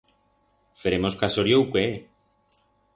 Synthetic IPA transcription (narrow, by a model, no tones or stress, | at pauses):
feɾemoskasoɾjowkwe